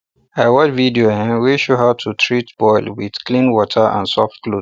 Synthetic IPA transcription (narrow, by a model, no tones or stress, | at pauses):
awɔt͡ʃvidiohɛ̃wiʃoɦatʰutʰɹitb̥ɔɪlwið̥klĩnwɔtʰəʔã̰nsɔftklo